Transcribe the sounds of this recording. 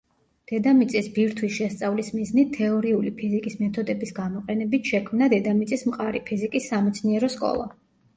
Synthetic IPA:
d̪̥ɛd̪amit̪sʼisbiɾt̪ʰwisʃɛst̪sʼavlismiznit̪ʰːɛɔɾiulipʰizikʼismɛt̪ʰɔd̪ɛbisɡamɔqʼɛnɛbit̪ʰʃɛkʰmnad̪ɛd̪amit̪sʼismqʼaɾipʰizikʼisːamɛt̪sʰniɛɾɔskʼɔ̰lˠa̰

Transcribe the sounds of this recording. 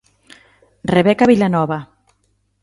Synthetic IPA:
reβɛkaβilanɔβa

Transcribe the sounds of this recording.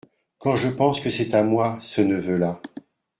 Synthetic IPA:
kɑ̃ʒəpɑ̃skəsɛt̪amwasənəvøla

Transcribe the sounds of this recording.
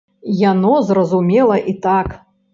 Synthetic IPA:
janɔzrɐzumʲɛlˠɐʔit̪ak

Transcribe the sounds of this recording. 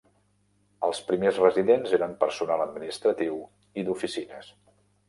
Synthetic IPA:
əlˠspɾimezrəziðenzeɾəmpəɾsunaləd̪̚minist̪ɾət̪iw | id̪ufisinəs

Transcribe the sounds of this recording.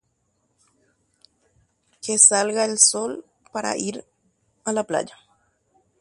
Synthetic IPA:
kesalɣaelsol | paɾa̰ʔiɾ | alapla̰d͡ʒa

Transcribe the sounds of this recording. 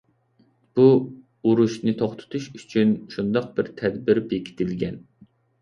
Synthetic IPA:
b̥u | uɾuʃnɨt̪ʰoχt̪ʰʊ̥t̪ʰuʃyt͡ʃʰynʃund̪ɑq̚bɪɾt̪ʰɛd̪bɪɾbekʲʰi̥t̪ʰɪlɡʲɛn

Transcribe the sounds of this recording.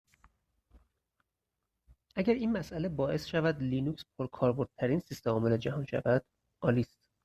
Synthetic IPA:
ʔæɟæɾiːnmæsʔæle̞bɒːʔe̞sʃævæd̪liːnucspʰoɾkʰɒːɾboɾd̪̥̚t̪ʰæɾiːnsist̪emɒːmeled͡ʒæhɒːnʃæ̰væd̪̥ | ʔɒːliːst̪̚

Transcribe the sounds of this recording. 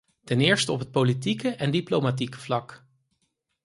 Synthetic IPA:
tɛnɪːɹstəɔpɦət̚politikəʔɛndiplowmat̬ikə̥v̥lɑk

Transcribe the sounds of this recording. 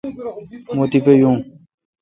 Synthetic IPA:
mot̪ipejũ

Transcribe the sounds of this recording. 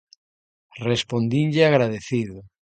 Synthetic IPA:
respond̪inʎɪaɣɾaðeθiðʊ

